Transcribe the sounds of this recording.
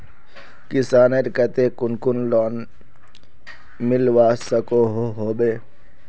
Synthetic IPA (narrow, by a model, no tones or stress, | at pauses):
kɪsaːneɾkət̪ekʊnkʊnlɔːn | mɪlʋaːsəkoɦoɦoːbeː